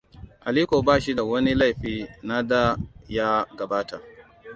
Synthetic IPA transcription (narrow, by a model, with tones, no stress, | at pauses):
ʔa˨liː˦kʷoː˨baː˦˨ʃi˦da˨wɐ˦ni˦la˦˨jɸiː˦na˦da˦ja˦ɡɐ˨baː˦ta˨